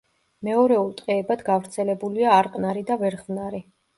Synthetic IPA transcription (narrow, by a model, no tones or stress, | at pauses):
mɛɔɾɛulˠt̪ʼqʼɛːbad̪ɡavɾt̪sʰɛlɛbuliaːɾqʼnaɾid̪avɛɾχvnaɾi